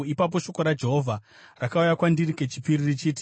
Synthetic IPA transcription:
ipap̬o̞ʃo̞ko̞ɾad͡ʒe̞ɦo̞vʱa | rakaujakwandirike̞t͡ʃi̥piririt͡ʃiːti̥

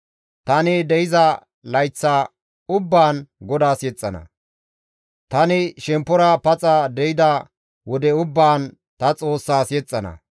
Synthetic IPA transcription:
t̪ɐnɪd̪ɛjɪzɐ | lɐjt͡sːaː | ʊbːaːnɡɔd̪aːsjɛt͡sʼːɐnɐ̰ | t̪ɐnɪʃɛmpːɔɾɐpɐt͡sʼɐd̪ɛjɪd̪ɐ | wɔd̪ɛʊbːaːn | t̪ɐt͡sʼo̞ːsːaːsjɛt͡sʼːɐnɐ̰

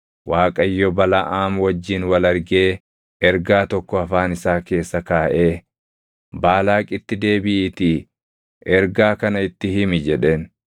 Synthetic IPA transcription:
waːkʼɐjːɔbɐlɐʔaːmwɐd͡ʒːɪnwɐlɐɾɡe̞ː | ɛɾɡaːt̪ɔkːɔɐfaːnɪsaːke̞ːsːɐkaːʔe̞ː | baːlaːkʼɪt̪ːɪd̪e̞ːbɪʔt̪ɪ | ʔɛɾɡaːkɐnɐɪt̪ːɪhɪmɪd͡ʒɛᶑeːn

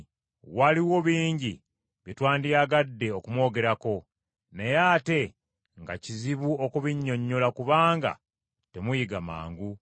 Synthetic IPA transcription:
waliwo̞βiːɲɟi | βjitwaːndijaɡadːe̞okumwo̞ːɡe̞ɾako̞ | ne̞jaːte̞ | ŋɡa̰ciziβuo̞kuβiɲːo̞ɲːo̞lakuβaːŋɡa̰ | te̞mujiɡama̰ːŋɡu

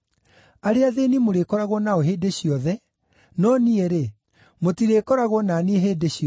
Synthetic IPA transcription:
aɾeaðenimoɾekɔɾaɣwɔnaoɦeːdeɕijɔðɛ | nɔnieɾe | motiɾekɔɾaɣwɔnanieɦeːdeɕiɔ

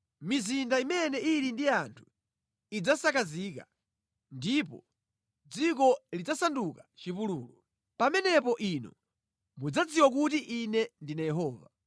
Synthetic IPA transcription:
mizindaimɛnɛiɾindiantʰu̥ | id͡zasakazika̰ | ndipɔ̰ | d͡zikɔlid͡zasandukḁt͡ʃipuluːlɔ | pamɛnɛpɔʔinɔ̰ | mud͡zad͡ziwak̬utiʔinɛndinajɛɦɔːva

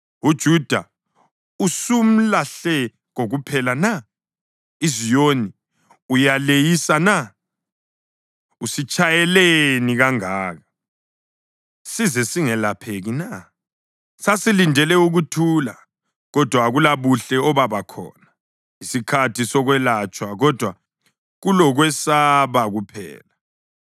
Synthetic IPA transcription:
ud̥ʒ̥ʱud̥ʱa | usum̩laɬɛ | ɣoɣupʰɛlana | izijoni | ujalejisana | usit͡ʃʼajɛleniɣaŋaːɣa | sizɛsiŋɛlapʰeɣina | sasilindʱɛlɛuɣutʰula̰ | ɣɔd̥ʱwaɣulaβuɬɛɔβaβakʰɔ̰na | isikʰatʰisɔɣwɛlat͡ʃʼwaɣɔd̥ʱwa | ɣulɔɣwɛsaβaɣupʰɛ̰ːla

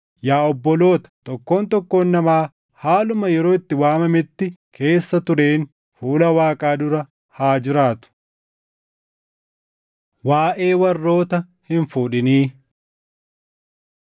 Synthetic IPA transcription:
jaːɔbːɔlo̞ːt̪ɐ̥t̪ɔkːo̞ːnt̪ɔkːo̞ːnːɐmaː | haːlʊmɐjɛɾo̞ːɪt̪ːɪwaːmɐmɪt̪ːɪkʰe̞ːsːɐt̪ʊɾe̞ːn | fuːlɐwaːkʼaːd̪ʊɾɐ | haːd͡ʒɪɾaːt̪ʊ̥ | waːʔe̞ːwɐrːo̞ːt̪ɐ | hɪnfuːᶑɪniː

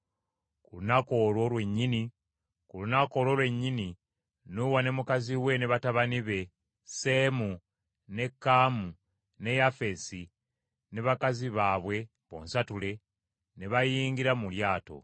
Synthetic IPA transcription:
kulunako̞lo̞ːlwe̞ɲːini | kulunako̞ːlo̞ːlwe̞ɲːini | nuwane̞mukaziwe̞neβataβaniβe̞ | se̞ːmu | ne̞kːaːmu | ne̞jafe̞si | neβakaziβaːβwe̞ | βo̞̰ːnsatule̞ | neβajiːŋɡiɾamuljaːto̞̰

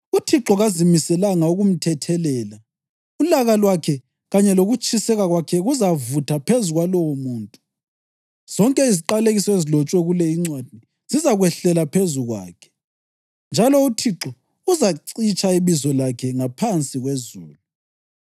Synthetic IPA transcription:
utʰiǁɔɣazimisɛlaŋauɣum̩tʰɛtʰɛlɛːla | ulaɣalwakʰɛ | ɣaɲɛloɣut͡ʃʼisɛɣaɣwakʰɛɣuzavutʰapʰezuɣwalɔwɔmuːntʼu | z̥ɔŋkʼɛiziǃaleɣisɔezilɔt͡ʃʼwɛɣulɛiŋ͡ǀwad̥̚ʱni | z̥izaɣwɛɬɛlapʰezuɣwa̰ːkʰɛ̥ | nd͡ʒʱalɔutʰiǁɔ | uzaǀit͡ʃʼaiβizɔlakʰɛŋapʰant͡sʼiɣwezuːlu

